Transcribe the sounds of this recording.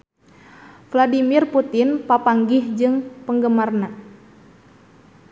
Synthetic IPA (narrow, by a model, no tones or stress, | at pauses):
fladimirput̪ɪnpapaŋɡɪhd͡ʒɨŋpəŋɡəmarna